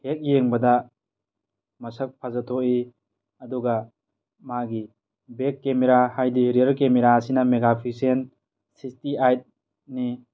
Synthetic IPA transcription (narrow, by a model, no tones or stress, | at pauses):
hek̚jeŋbɐdɐ | mɐsɐk̚pʰazatʰoʔi | ɐduɡɐ | maɡi | bekːemeɾahajdiɾiəɾkemeɾaɐsinɐmeɡapʰisen | sistiajt̚ | ni